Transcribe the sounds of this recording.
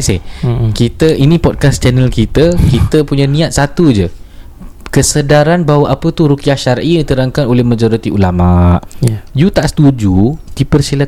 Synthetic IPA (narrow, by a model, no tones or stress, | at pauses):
sɪ̰kit̪əʔinĩpɔd̚kast͡ʃənəəlkit̪əkit̪əpuɲãnĩat̪̚sat̪ud͡ʒə | kəsədaɾanbaɦwaʔapət̪uɾukiahʃaɾʔidit̪əɾaŋkanolɛhmad͡ʒɔɾit̪iʔulamaʔjut̪aʔsə̥t̪ud͡ʒud̥ipərsilə